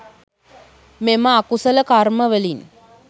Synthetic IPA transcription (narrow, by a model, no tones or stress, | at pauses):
meməakusələkarməʋəlin